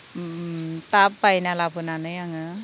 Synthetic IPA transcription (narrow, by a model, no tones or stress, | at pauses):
t̪apbajnalabɯnanɯjaŋɯ